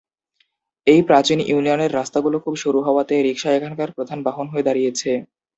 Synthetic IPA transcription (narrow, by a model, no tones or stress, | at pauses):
ejpɾat͡ɕinʔunioneɾːast̪aɡulokʰubʃuɾuɦɔoat̪eɾikʃaekʰankaɾpɾod̪ʱanbaɦonɦoed̪aɾijet͡ɕʰe